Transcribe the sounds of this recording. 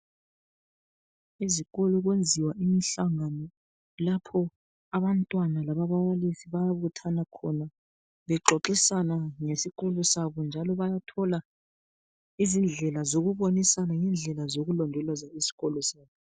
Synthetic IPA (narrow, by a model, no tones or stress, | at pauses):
iziɣɔlɔɣwend͡zʱiwaʔimiɬaŋanɔ | lapʰɔ | aβantʼwanalaβaβawalisiβajaβutʰanakʰɔna | βɛǁʱɔǁisanaŋesiɣɔlɔsaβɔnd͡ʒʱalɔβajatʰɔla | izind͡ɮʱɛlazoɣuβonisanaŋɛnd͡ɮʱɛlazoɣulɔndʱɔlazaisi̥ɣɔlɔsaːβɔ